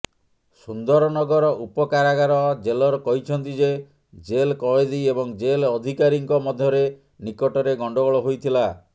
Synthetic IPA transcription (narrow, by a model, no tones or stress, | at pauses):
sund̪ɔɾɔnɔɡɔɾɔʔupɔkaɾaɡaɾɔd͡ʒelɔɾɔkɔɦit͡ʃʰɔnt̪id͡ʒe | d͡ʒelkɔed̪ejebɔŋd͡ʒelɔd̪ʱikaɾiŋkɔmɔd̪ʱjɔɾe | nikɔʈɔɾeɡɔɳɖɔɡɔɭɔɦojt̪ʰila